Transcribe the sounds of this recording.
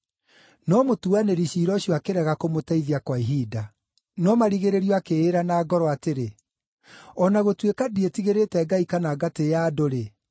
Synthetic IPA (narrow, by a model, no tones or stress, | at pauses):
nɔmotuaneɾiɕiːɾɔɕjɔakeɾɛɣakomotaiðiakwaiɦida | nɔmaɾiɣeɾeɾiɔakeeɾanaːɡɔɾɔateɾe | ɔnaɣotwekadietiɣeɾetɛɡaikanaɡatejaːdoɾe